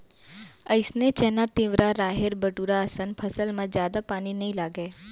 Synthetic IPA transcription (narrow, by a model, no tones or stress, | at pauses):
əɪsnet͡ʃɛːnat̪iːʋɾaɾaːɦeɾbəʈuːɾaəsənpʰəsəlmãd͡ʒjaːd̪apaːninɐĩlaːɡeː